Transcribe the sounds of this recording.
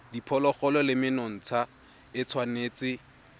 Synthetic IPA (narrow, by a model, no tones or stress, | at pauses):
dipʰɔlɔχɔlɔlɪmɪnɔŋ̩t͡sʰa | ɪt͡sʰwaneːt͡sɪ